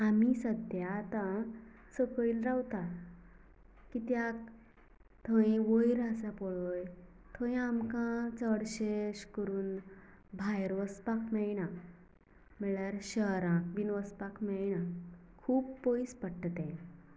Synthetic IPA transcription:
amisəd̪jat̪ã | səkəɭilɾawt̪a | kit̪jak | t̪ʰə̃ĩʋojɾasapɔɭɔj | t̪ʰõĩamkãt͡səɽɕeɕkəɾuːnbʱajɾʋəspakʰmɛɭnã | mɛɭjaɾɕəɾãk̚binʋəspakʰmɛɭnã | kʰuːbpojspəɽʈət̪ẽ

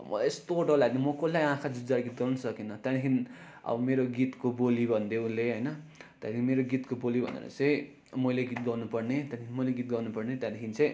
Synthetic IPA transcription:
mʌ̰aest̪oʈʌlaɡnimʌkolːajãkʰad͡zudaɾɡit̪̚ɡʌrnʌsʌkinʌt̪jat̪ikʰiniʌ̰bʌmeɾoɡit̪kobolibʱʌnd̪eũlːeɦʌjnʌt̪jad̪ikʰinimeɾoɡit̪kobolibʱʌ̰nḛɾʌ̰t͡sʌ̃j̃ | mʌjleɡit̪̚ɡʌrnupʌrnet̪jãt̪ikinimʌjleɡit̪̚ɡʌrnupʌrnet̪jãd̪ikʰinit͡sʌ̃j̃

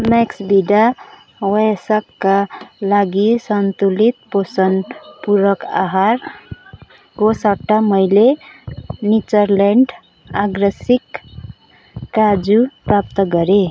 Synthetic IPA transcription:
meksbiɖa | wʌsakːalaɡisʌnt̪ulit̪̚posʌnpuɾʌka̰ɦaɾ | kosʌʈːamʌjle | nit͡sʌɾleɳɖ | aɡɾʌsik | ad͡zuprap̚t̪ʌɡʌɾe

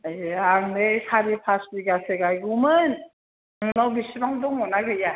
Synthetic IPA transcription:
eaŋnejsaɾipʰasbiɡaseɡajɡumɯn | aŋnawbisibaŋdɔŋmɔnaɡɯja

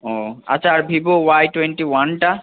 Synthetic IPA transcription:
ɔa̰tːʰaːɹbʱibowajʈwenʈiwanʈa

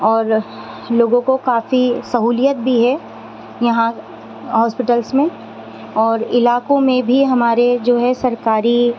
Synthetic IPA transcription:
ɔːɾ | loːɡõkokaːfisɐɦuːlijət̪̚bʱiɦɛ | jɐɦã | ɦɔːspɪʈəlsmẽ | ɔːɾɪlaːkõmẽbʱiɦɐmaːɾed͡ʒoːɦɛsɐɾkaːɾi

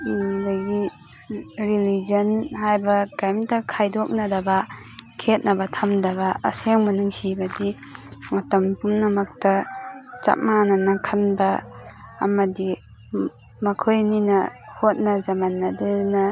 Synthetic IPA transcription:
daɡi | ɾilizɐnhajbɐkajmdɐkʰajdɔk̚nadabakʰet̚nɐbɐtʰamdaβa̰ːseŋmɐnɯŋsibɐdi | ŋatɐmpumnamak̚tɐt͡ʃa̰p̚mananakʰanbɐː | mɐdi | mɐkʰojninɐhot̚nazamanːadɯnɐ

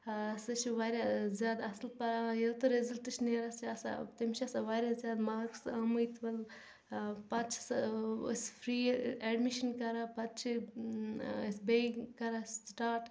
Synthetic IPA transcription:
sɐt͡ʃʰiʋaːɾjazjaːd̪ɐslpɐɾajelt̪oɾezɐlʈɨt͡ʃʰneːɾasʰiɐsa̰t̪imt͡ʃʰiɐsaʋaːɾʲazʲjaːd̪maːksamɨjt̪ʋɐl | pɐt̪̚t͡ʃʰi̥ssfʰɾiːɛɖmiʃɐnkɐɾaːpɐt̪̚t͡ʃʰi | ɐsbekɐɾasʈaːʈ

